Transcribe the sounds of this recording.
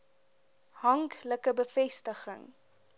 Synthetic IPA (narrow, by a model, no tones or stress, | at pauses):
hɐŋkləkəbəfɛstəχə̰ŋ